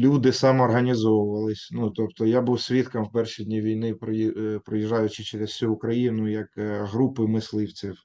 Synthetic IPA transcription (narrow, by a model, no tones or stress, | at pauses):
lʲud̪ɪsɑmɔɔːrɦɐnʲizɔʋʊʋɐlˠɪsʲnut̪ɔpt̪ɔjabuwsʲʋʲit̪kɐmwpɛrʃʲidʲnʲiʋʲijnɪpɾɔipɾɔjiʒːɑjʊt͡ʃɪt͡ʃeɾessʲuːkɾɐjinʊjɐkɦɾupɪmɪslˠɪwt͡sʲiw